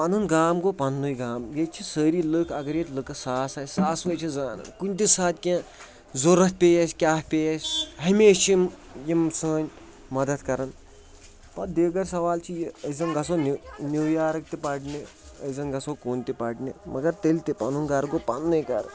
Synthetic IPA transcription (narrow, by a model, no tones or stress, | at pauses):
pɐnunɡaːmɡopɐnːujɡaːmjet͡ʃʰisəːɾilɨkʰɐɡɐɾjet̪lɨkɐsaːsaːjsaːsʋɐt͡ʃʰizaːnɨ̰kunʲt̪isaːt̪ʲkʲẽ | zoɾɐt̪̚ʲpʲejɐsʲkʲaːpʲejɐsʲɦɐmeːʃt͡ʃʰim | jimsəːnʲ | mɐd̪ɐt̪kɐɾɐn | pɐd̪eːɡɐɾʲs̬ɐʋaːlt͡ʃʰijeɐzɐnɡɐsonnʲiːjaːɾɐk̚t̪ipɐʈni | ɐzɐnɡɐsokoːnt̪ipɐʈnimɐɡɐɾt̪elʲt̪ipɐnunɡaɾɡopɐnːujkɐ̰ɾ